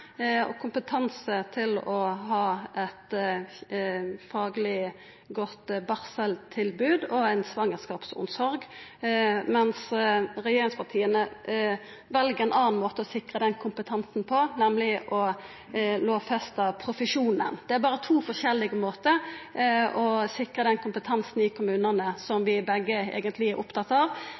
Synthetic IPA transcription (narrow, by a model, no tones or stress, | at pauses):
ɔ̰kʰʊmpət̪ʰɑnsət̪ʰɪlɔɦɑːʔɛt̪ | fɑːɡlɪ | ɡɔt̪bɑʁsəlt̪ʰɪlbʉːd̪ɔæɪnsʋɑŋːəskɑːpsʊ̰nsɔɾɡ | mɛnsɾɛjeːɾɪŋspʰɑʁt̪ʰiːənə | ʋɛlɡəɾɛnʔɑːnmoːt̪əɔsɪkʁəd̪ɛnkʰʊmpət̪ʰɑnsn̩pʰɔnɛmlɪʔɔ | loːfɛst̪ɑpʰɾʊfəʂuːnə̰nd̪̥ɛæɾbɑːɾət̪ʰuːfɔʂɛlːɪɡəmoːt̪ə | ɔsɪkʁəd̪ɛnkʰʊmpət̪ʰɑnsn̩ɪkʰʊmʉːnənəsɔmʋɪbɛɡːəḛːɡənt̪ʰlɪæɾʔʊpt̪ʰɑt̪ːɑʋ